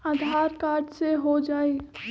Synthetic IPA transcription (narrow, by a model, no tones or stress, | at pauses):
aːd̪ʱaːɾkaːɾɖseɦod͡ʒaːeː